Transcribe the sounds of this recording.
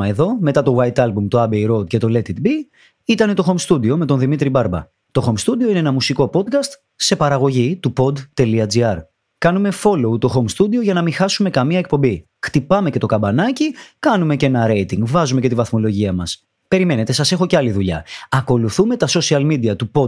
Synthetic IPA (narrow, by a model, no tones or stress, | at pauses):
ɐe̞ðo̞me̞t̪ɐt̪o̞wɐjt̪ɐlbumt̪oɐbejɾo̞d̪̚ce̞t̪o̞le̞t̪it̪bi | it̪ɐne̞t̪o̞xo̞mst̪ud̪io̞me̞t̪o̞nðimit̪ɾibɐɾbɐ̰ | t̪o̞xo̞mst̪ud̪io̞ineenɐmusiko̞po̞d̪̚kɐst̪ | se̞pɐɾɐɣo̞ʝit̪upo̞d̪t̪e̞liɐd͡ziɐɾ | kɐnume̞fo̞lo̞ut̪o̞xo̞mst̪ud̪io̞ʝɐnɐmixɐsume̞kɐmiɐe̞k̚po̞mbi | xt̪ipɐme̞ce̞t̪o̞kɐbɐnɐcikɐnume̞ce̞nɐɾe̞jt̪iŋɡvɐzume̞ce̞t̪ivɐθmo̞lo̞ʝiɐmɐs | pe̞ɾime̞ne̞t̪e̞sɐse̞xo̞ceɐliðuʎɐ̰ɐko̞luθume̞t̪ɐso̞siɐlmid̪iɐt̪upo̞